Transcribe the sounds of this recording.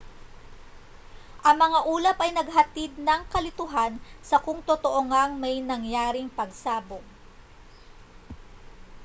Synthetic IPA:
ʔɐŋmɐŋaʔuːlɐpɐjnɐɡ̚ɦɐt̪id̪̚nɐŋkɐlɪt̪ʊɦansɐkʊŋt̪ot̪oʔoŋaŋmɐjnɐŋjaːɾɪŋpɐɡsaːboŋ

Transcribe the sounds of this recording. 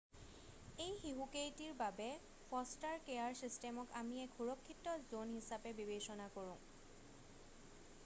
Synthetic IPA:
ejxiɦukejtiɹbabɛ | pʰɔstaɹkejaɹsistɛmɔkamiɛkxuɹɔkʰːitɔzonɦisapɛbibesɔnakoɹʊ̃

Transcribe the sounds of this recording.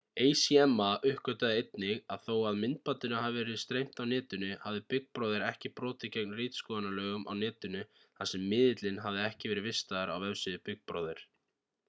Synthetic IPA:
eːjsiɛmːaʔʏhkœt̪aðejt̪nɪɣaðθowaðmɪnt̪̚pat̪ɪnaɦavɪvɛɾɪst̪ɾejm̥t̪awnɛːt̪ʏnʏhavðɪpɪk̚pɾoːðɪɾɛhcɪpɾɔːt̪ɪcɛknrɪːt̪skɔːðanalœːɣʏmʔa̰wnɛːt̪ʏnʏ | θasɛmːɪːðɪt̪lɪnɦavðɪɛhcɪvɛːɾɪvɪst̪aðaɾawvɛvsɪðɪpɪk̚pɾo̰ːðɪɾ̥

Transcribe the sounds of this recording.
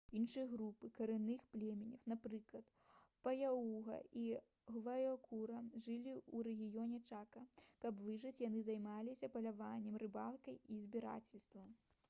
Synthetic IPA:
inʂɨjɐɣɾupɨkɐɾɨnɨxplʲɛmʲɛnʲɐwnapɾɨklˠɐt̪ | pɐjauɣɐ̰ʔi | ɣvɐjɔkʰuɾɐʐɨlʲiuɾɛɣʲijɔnʲɛt͡ʂakɐkɐpvɨʐɐt͡sʲjanɨzajmalʲisʲɐpɐlʲavanʲːɛmrɨbalˠkɐjizʲbʲiɾa̰t͡sʲɛlʲst̪vɐm

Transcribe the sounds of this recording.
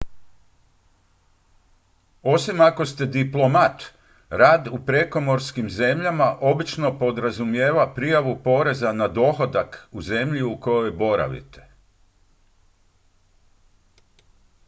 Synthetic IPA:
o̞simako̞st̪e̞d̪iplˠo̞mat̪ | ɾaːd̪upɾe̞ko̞mo̞ɾskimze̞mʎamaʔo̞bit͡ʃno̞po̞d̪ɾazumje̞ːʋapɾijaʋupo̞ɾe̞zanad̪o̞ːxo̞d̪akuze̞mʎiuko̞jo̞jbo̞ɾa̰ʋḭt̪e̥

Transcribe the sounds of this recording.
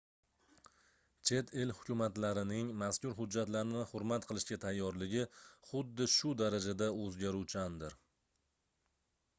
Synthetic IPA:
t͡ʃʰe̞t̪ʰelhʊkʲʊmat̪laɾɪnɪŋmaskʲʊɾɦʊd͡ʒːat̪laɾɪnɪχʊɾmat̪qʰɨlˠɪʃkʲat̪ʰajːɒɾlɪɡʲɪχʊd̪ːɪʃʊd̪aɾad͡ʒad̪aɵzɡʲaɾuwt͡ʃʰand̪ɪɾ

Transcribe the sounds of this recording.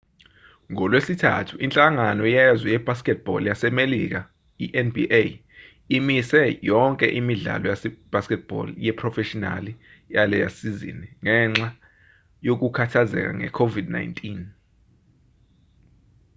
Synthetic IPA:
ŋɔlwesitʰa̰tʰuʔint͡ɬʼaŋanɔjɛzwɛjɛb̥ʱaskɛt̚b̥ɔ̰ljasɛmelik̬a | iʔɛnbiʔe | imisɛjɔŋkʼɛ̰ʔimiɮa̰lɔjasɛb̥ʱaskɛt̚b̥ɔ̰ljɛpʰrɔfɛʃɔna̰li | jalɛja̰sizḭniŋɛŋ͡ǁa | jok̬ukʰatʰazɛ̰k̬a̰ŋɛ̰kʰovidna̰jntʼin

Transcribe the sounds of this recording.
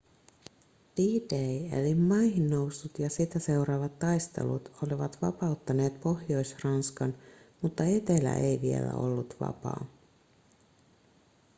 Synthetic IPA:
d̥iːdejḛlimːɑjɦinːo̞wsːut̪jɑsit̪æse̞uɾɑʋɑt̪ːɑjst̪e̞̰lṵt̪o̞liʋɑt̪ʋɑ̰pɑut̪ːɑne̞ːt̪po̞hjo̞jsrɑnskɑnmut̪ːɑe̞t̪elæ̰ʔe̞jʋie̞̰læ̰o̞̰lːut̪ʋɑ̰pɑ̰ː

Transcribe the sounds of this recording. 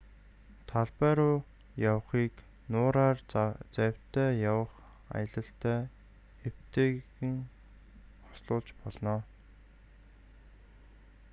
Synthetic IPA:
t̪ʰaɮpæːɾʊː | jaw̆χiːk | nʊːɾaːrt͡sæwʲt̪æːjawə̆χ | a̰jə̆ɮə̆ɬt̪æː | ew̥t̪eːɣɘ̆ŋ | χɔ̥sɮʊːɮt͡ɕpɔɮnɔː

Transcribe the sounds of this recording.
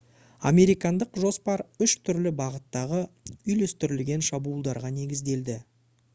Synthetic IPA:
ɑ̰me̞ɾijkɑnd̪əqʒo̞spɑɾʏʃt̪ʰʏɾlɪbɑʁət̪ːɑʁəʏjlest̪ʏɾɪlɡʲe̞nʃɑbuːlˠd̪ɑɾʁɑne̞ɡʲɪzd̪e̞ld̪ɪ

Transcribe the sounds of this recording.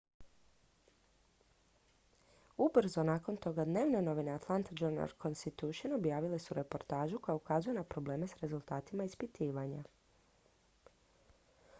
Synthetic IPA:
ubr̩zo̞naːko̞nt̪o̞ɡad̪ne̞ːʋne̞no̞ʋine̞at̪lˠant̪ad͡ʒuɾna̰ɾkʰo̞nst̪it̪uʃonobjaːʋile̞suɾe̞po̞ɾt̪aːʒuko̞jaukazujenapɾo̞ble̞ːme̞sɾe̞zulˠt̪aːt̪imaispit̪iːʋaɲa

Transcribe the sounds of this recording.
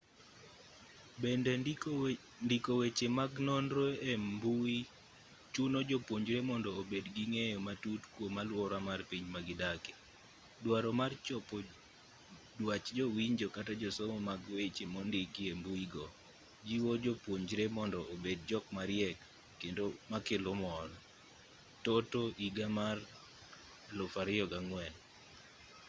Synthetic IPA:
bɛndɛ | ndikowet͡ʃemaɡnɔnɾoɛmmbui | t͡ʃunod͡ʒopwoɲd͡ʒɾemɔndɔːbedɡiŋejɔmatutkwomalwɔɾamarpiɲmaɡɪdake̥ | dwaɾɔmart͡ʃɔpɔ | dwat͡ʃd͡ʒowiɲd͡ʒɔkatad͡ʒɔsomɔmaɡwet͡ʃemondɪkiembuiɡɔ | d͡ʒiwod͡ʒopwoɲd͡ʒɾemɔndɔobed̚d͡ʒɔkmaɾɪjɛkː | endomakɪlomɔɾɔ | totoʔiɡamar | lʊfaɾɪɔɡaŋwɛn

